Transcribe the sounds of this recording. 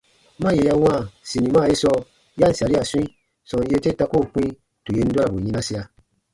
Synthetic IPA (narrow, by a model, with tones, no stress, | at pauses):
mã˦je˨ja˧w̃ã˦˨si˨nĩ˨maː˦˨je˦sɔ˧ | ja˦n̩˦sa˨ɾa˨sũ˦i˦ | sɔ̃˧n˦je˧˦te˦ta˧ko˦˨k͡pĩ˦ | tu˨je˨˧n̩˦da˦ɾa˨bu˨ɲĩ˧nã˦si˧a˧